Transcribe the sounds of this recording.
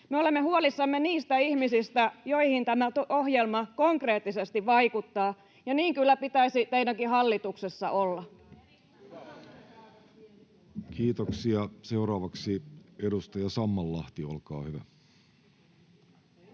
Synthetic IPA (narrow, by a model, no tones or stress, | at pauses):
meole̞mːehuolisːɑmːeniːst̪æihmisist̪æjo̞ihint̪æmæt̪oo̞hjelmɑko̞ŋkre̞ːt̪ːisest̪iʋʋɑikut̪ːɑː | jɑniːŋkylːæpit̪æisit̪einækihɑlːit̪uksesːɑ̰ʔolːɑ | kiːt̪oksiɑseuɾɑːʋɑksiedust̪ɑjɑsɑmːɑlːɑht̪iolkɑ̰ːhyʋæ̰